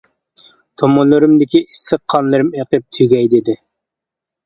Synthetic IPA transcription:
t̪ʰomʊnlˠɨɾɨmd̪ɪkʲiisːəqʰːɑnlˠɨɾɨmeqəp̚t̪ʰyɡʲɛjd̪ɪd̪ɪ

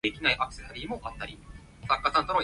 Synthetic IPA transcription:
ikʲinaiʔakɯ̟se̞saɾʲiːmo̞ʔat̪ːaɾʲi | sakːasãnt̪ono

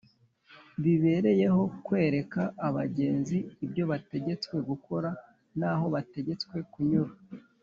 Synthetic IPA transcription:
βiβe̞ɾe̞je̞ɦo̞kwe̞ːɾe̞kaʔːβaɟe̞ːnziːbjo̞βate̞ɟe̞t͡skwe̞ɡuko̞ɾa | naːho̞βate̞ɟe̞t͡skwe̞kuɲuɾa

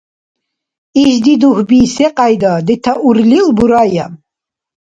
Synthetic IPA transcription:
iʒd̪id̪uhbiːsɛqʼajd̪ad̪ɛt̪ʰaʔuɾlilbuɾaja̰

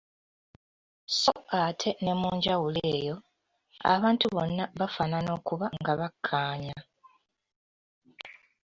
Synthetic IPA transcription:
so̞atʰe̞ne̞muːɲɟawuleːjo̞ | a̰βaːntuβo̞nːaβafaːnano̞ːkuβaŋɡaβakʰːaːɲa

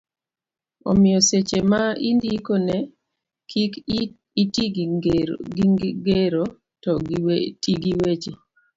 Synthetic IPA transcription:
ɔ̰mɪjɔset͡ʃemaindikonɛ | kik | iti | ɡɡeɾo | tɔtiɡiwet͡ʃi

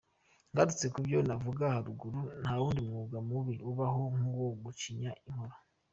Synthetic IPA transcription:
ŋɡaɾut͡se̞kubjo̞navuɡahaɾuɡuɾun̥hauːndiumŋuɡamuβiuβaɦo̞ŋuwoɡuciɲaiŋho̞ɾo

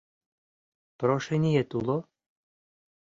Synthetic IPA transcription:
pɾɔʃɛnʲijɛt̪ulˠɔ

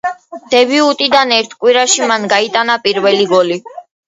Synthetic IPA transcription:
d̪̥ɛbiut̪ʼid̪anɛɾt̪ʰkʼwiɾaʃimanɡait̪ʼanapʼiɾvɛliɡɔli

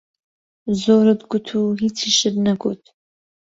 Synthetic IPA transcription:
zoːɾɨdɡʷʊtʰuɦit͡sʰiʃɪdnɐɡʷo̰tʰʼ

